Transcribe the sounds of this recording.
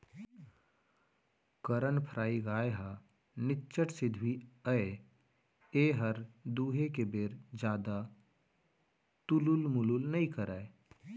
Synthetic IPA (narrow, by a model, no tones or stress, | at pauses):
kəɾənpʰəɾaːiɡaːeɦa | nɪtːʃəʈsɪd̪ʱwiəe | eːɦəɾd̪uːɦekebeːɾd͡ʒjaːd̪a | t̪ululmʊlulnɐĩkəɾaːe